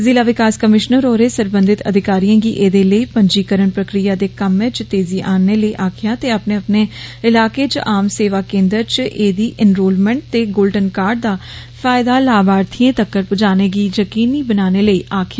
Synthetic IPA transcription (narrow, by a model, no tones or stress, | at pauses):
zɪlaːʋɪkaːskəmɪʃnəɾoːɾeːsəɾbə̃nd̪ɪt̪ə̰d̪ʱɪkaːɾijãːɡiːʔeːd̪eːləiːpəɲd͡ʒiːkəɾənpɾəkɾijaːd̪eːkəmẽːt͡ʃt̪eːziːʔaːnːeːləiːʔaːkʰɪjaːt̪eːapneːəpneːɪlaːkeːt͡ʃʔaːmseːʋaːkẽːnd̪əɾt͡ʃʔeːd̪iːʔɪnɾoːlmɛ̃ːɳʈ̚t̪eːɡoːlɖənkaːɾɖ̚d̪aː | fʰaːɪd̪aːlaːbaːɾt̪ʰiẽːt̪əkːəɾpʊd͡ʒaːneːɡiːd͡ʒəkiːniːbənaːneːləiːʔaːkʰɪjaː